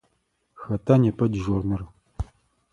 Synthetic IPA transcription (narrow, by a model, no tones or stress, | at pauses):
xɐtʰanepʰɐdʒornɨr